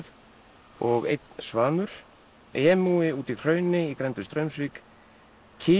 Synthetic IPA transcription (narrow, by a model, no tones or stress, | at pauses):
ð | ɔɣḛjt̪nsvaːnʏɾ̥ | ɛːmuːɪuːt̪ikʰr̥œːɥnɪikɾɛnt̪ʏst̪ɾœɥmsviːk | cʰiː